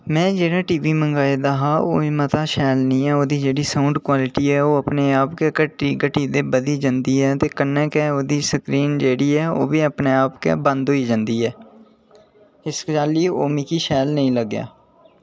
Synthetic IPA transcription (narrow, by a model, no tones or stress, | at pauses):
mɛ̃ːd͡ʒeːɽaːʈiːʋiːmə̃ŋɡaːed̪aɦaːo̰ːimət̪aːʃɛːlnĩːɛːoːd̪iːd͡ʒeːɽiːsaːʊ̃ɳɖkwaːlɪʈiːɛːoːəpneːaːpkeːkəʈiːɡəʈiːd̪eːbəd̪iːd͡ʒə̃nd̪iːɦɛːt̪eːkənːɛ̃ːkɛːoːd̪iːsəkɾiːnd͡ʒeːɽiːɛːo̰ːbiːəpneːaːpkḛːbə̃nd̪ɦoːiːd͡ʒə̃nd̪iːɛː | ɪskd͡ʒaːliːoːmiːkiːʃɛːlnəĩːləɡja̰ː